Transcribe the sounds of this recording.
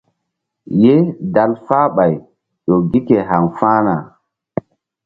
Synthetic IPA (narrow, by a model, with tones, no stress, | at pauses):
je˦da˦lfaː˦ɓa˨j | ɗo˨ɡi˦ke˨ɦa˨ŋfaː˦na˨